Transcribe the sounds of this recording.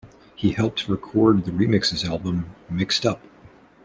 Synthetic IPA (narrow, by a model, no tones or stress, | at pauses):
hihɛlˠp̚tʰɹɨkʰɔɹd̪̚ðɨɹimɪksɨzælˠbə̃mːɪkstʌp̚